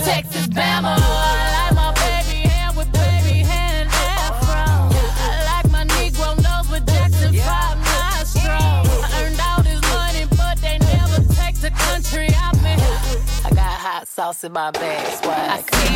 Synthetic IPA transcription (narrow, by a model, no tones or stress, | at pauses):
tʰek̚tɨmæməəaɪlaɪk̚maɪbeɪbihɛwɨðbeɪbiɦɛ | ɨ̃nɛ | fɹʌ̃m | aɪlaɪk̚maɪniɡɹõʊ̃noʊbʌtʰɛk̚tɨfaɪ | ma | stɹ̥oʊ̃ | ə̃˞ndaʊt̚hɪzmʌnibʌt̪̚ðeɪnɛvə˞tʰeɪk̚ðɨkʰʌ̃nt͡ʃɹ̥iʌvmiaɪɡɑɾhatsaʊsɨ̃nmaɪbɛwak